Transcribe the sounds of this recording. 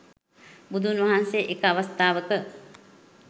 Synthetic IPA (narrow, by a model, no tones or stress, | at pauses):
bud̪ʱunʋɐɦanseʔekəaʋast̪aːʋəkə